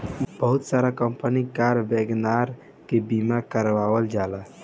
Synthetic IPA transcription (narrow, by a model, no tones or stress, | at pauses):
bəɦut̪saɾakəmpənikaɾbeɡnaɾ | kebimakəɾʋawəld͡ʒala